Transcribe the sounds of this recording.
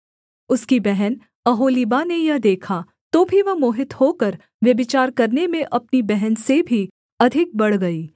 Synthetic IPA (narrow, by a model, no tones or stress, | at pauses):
ʊskibɛɦɛn | ɐɦoːlibanejɐɦd̪eːkʰa | t̪obʱiʋɐɦmoːɦɪt̪hokɐɾ | ʋjɐbɪt͡ʃaːɾkɐɾnemẽʔɐpnibɛɦɛnsebʱi | ɐd̪ʱɪk̚bɐɽ̤ɡɐiː